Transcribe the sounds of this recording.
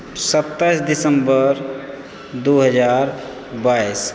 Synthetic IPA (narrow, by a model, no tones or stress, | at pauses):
sət̪ːəsd̪ɪsəmbəɾ | d̪oɦəd͡ʒaːɾ | bais